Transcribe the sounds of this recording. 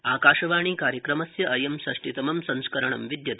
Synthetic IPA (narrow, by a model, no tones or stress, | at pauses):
aːkaːʃɐʋaːɳ̃iːkaːɾjɐkɾɐmɐsjɐʔɐjɐmsɐʂʈit̪ɐmɐmsɐ̃ŋ̃skɐɾɐɳ̃ɐ̰mʋid̪jɐt̪